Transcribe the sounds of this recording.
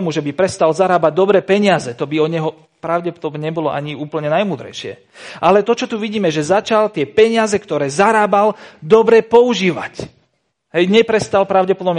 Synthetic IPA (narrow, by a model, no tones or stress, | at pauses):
muʒɛbipɾɛst̪alzaɾaːbaɟ̚d̪ɔbɾɛːpɛɲɪazɛt̪ɔbiɔɲɛɦɔ | pɾaʊɟɛpɔd̪ɔbɲɛɲɛbɔlɔʔa̰ɲiuːpl̩ɲɛnajmuːd̪ɾɛ̰jʃɪɛ̰ | ʔalɛt̪ɔt͡ʃɔt̪uʋiɟiːmɛʒɛzat͡ʃalt̪ɪɛpɛɲɪazɛkt̪ɔɾɛːzaɾaːbald̪ɔbɾɛpɔuʒiːʋa̰c | ɦɛjɲɛpɾɛst̪alpɾaʊɟɛpɔd̪ɔbm